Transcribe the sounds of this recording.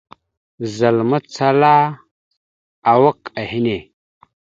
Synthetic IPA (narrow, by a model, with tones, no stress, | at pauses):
za˨lma˦t͡sa˦la˦ | a˨wa˦ka˨hi˦ne˨